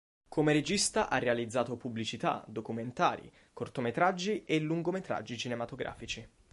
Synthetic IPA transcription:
kʰomeɾed͡ʒist̪aʔarːealid̪zːaːt̪opublit͡ʃit̪a̰d̪okument̪a̰ːɾḭ | kort̪omet̪ɾad͡ʒːiʔeluŋɡomet̪ɾa̰d͡ʒːit͡ʃinemat̪oɡɾʔa̰ːfit͡ʃi

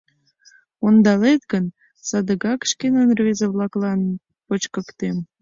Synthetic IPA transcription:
ond̪ɑlet̪ɡən | sɑd̪əɣɑkʃkenənrezəβlɑklɑn | pət͡ɕkəkt̪em

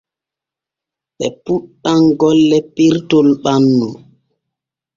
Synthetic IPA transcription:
ɓɛpuɗːaŋɡɔlːɛpiɾtɔlɓanːu

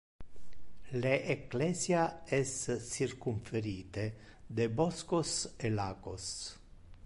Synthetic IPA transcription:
leʔːklɛːsjaɛsːirkuɱfeɾiːt̪e | d̪ebɔskoselaːɡos

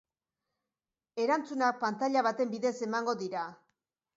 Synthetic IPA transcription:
e̞ɾant͡sunak̚pant̪aʎaβat̪e̞mbiðe̞se̞maŋɡo̞ðiɾa

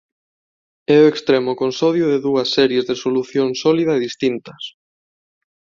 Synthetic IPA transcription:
ɛʊekst̪ɾɛmʊkonsɔðjʊðeðuɐsːɛɾjezðesoluθjoŋsɔliðɐeðist̪int̪ɐs

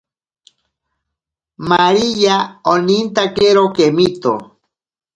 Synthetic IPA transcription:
maɾijaonint̪akeɾokemit̪o̰

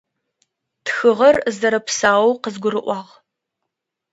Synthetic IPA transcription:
txɨʁɐrzɐɾɐpsaːwwqəzɡʷʊɾɨʔʷɑːʁ

